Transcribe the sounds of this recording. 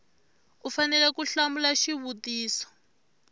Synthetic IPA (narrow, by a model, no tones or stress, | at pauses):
ufanɛlɛkuɬamulaʃiβutiːsɔ̥